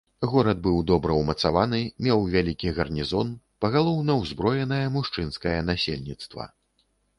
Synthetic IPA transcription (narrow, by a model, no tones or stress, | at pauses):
ɣɔɾɐd̪̚bɨwd̪ɔbɾɐwmɐt̪savanɨmʲɛwvʲalʲikʲiɣɐrnʲizɔnpɐɣalˠɔwnɐwzbɾɔjɛnɐjɐmuʂt͡ʂɨnskɐjɐnasʲḛlʲnʲit̪st̪vɐ̰